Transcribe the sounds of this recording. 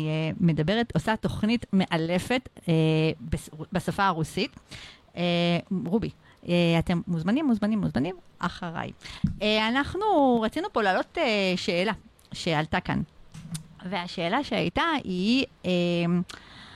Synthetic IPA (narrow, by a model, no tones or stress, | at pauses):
ieme̞dabe̞ʁetosato̞χnitme̞ʔale̞fe̞tebesbasafaːʁusit | eʁubi | eate̞mːuzmanimːuzmanimːuzmanimʔa̰χaʁa̰jeanaχnuʁat͡sinupo̞lalo̞teʃe̞ːla | ʃealtaka̰n | ve̞aʃe̞ːlaʃea̰jtaie